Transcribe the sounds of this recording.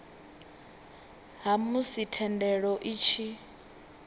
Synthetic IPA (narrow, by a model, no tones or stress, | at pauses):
ɦamusitʰɛndɛɺɔʔit͡ʃʰi